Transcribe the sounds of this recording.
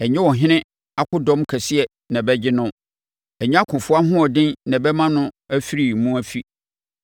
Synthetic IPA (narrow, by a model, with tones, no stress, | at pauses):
ɛ˨ɲɛ̃˦wɔ˨ɦɪ̃˦nɪ̃˦ | a˦kʰʊ˦dɔ̃˦mkʰæ˨sɪ˦ɛ˨ | nã˨bɛ˦d͡ʑɪ˦nʊ̃˦ | ɛ˨ɲɪ̃˦a˦kʰʊ̃˨fʊ˦a˦ɦʊ̃˦ɔ˨dɪ̃˦nnã˨bɛ˦mã˦nʊ̃˦æ˦fi˦ɾi˨mũ˦æ˦fi˦